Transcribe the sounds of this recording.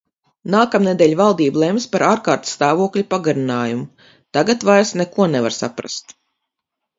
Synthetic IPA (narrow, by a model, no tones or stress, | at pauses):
naːkamned̪ɛʎʲvalˠd̪iːbulˠɛmspaɾaːɾkaːɾt̪st̪aːvuɔklʲipaɡaɾinaːjumu | t̪aɡat̪vajsnɛkuɔnɛvaɾsa̰pɾa̰st̪